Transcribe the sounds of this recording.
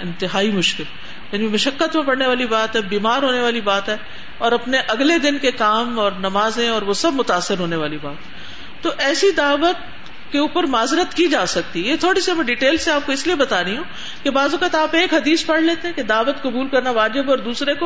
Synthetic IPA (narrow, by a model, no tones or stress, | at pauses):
ɪ̃nt̪ɪɦaːimʊʃkɪl | jaːnimɐʃəkːət̪mẽpɐɽneʋaːlibaːt̪ɦɛːbiːmaːɾɦoːneʋaːlibaːt̪ɦɛː | ɔːɾɐpneʔɐɡled̪ɪnkekaːmɔːɾnɐmaːzẽɔːɾʋosɐbmʊt̪aːsːɪɾɦoːneʋaːlibaːt̪ɦɛ | t̪oʔɛːsid̪aːʋət̪̚ | keuːpəɾmaːzɾət̪kid͡ʒaːsɐk̚t̪ijet̪ʰoːɽisemɛ̃ɖiʈeːlseaːp̚koɪsliebɐt̪aːɾɐĩɦũː | kebaːzɐkət̪aːpeːkɦɐd̪iːspɐɽ̤leːt̪eɦɛ̃ked̪aːʋət̪kɐbuːlkɐɾnaʋaːd͡ʒɪbɔːɾd̪uːsɾeko